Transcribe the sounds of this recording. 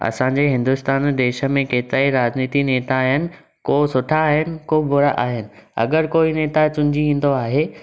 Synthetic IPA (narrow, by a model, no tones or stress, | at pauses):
ɐ̰sãɲd͡ʑeɦɪ̃nd̪ʊst̪aːnd̪eːʃə̆mẽkeːt̪ɪɾaːiɾaːzniːt̪ineːt̪aːɦɪnɪ̆ | koːsʊʈʰaːɦɪnɪ̆kobʱʊɾaʔa̰ːɦɪnɪ̆ɐ̰ɡəɾkoːineːt̪at͡ɕʊ̃ɲd͡ʑiĩːn̆d̪oaːɦeː